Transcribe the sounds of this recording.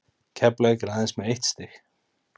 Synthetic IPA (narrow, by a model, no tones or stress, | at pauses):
cʰɛplaɛkɪɾaðɛnsmɛðejht̪st̪ɪx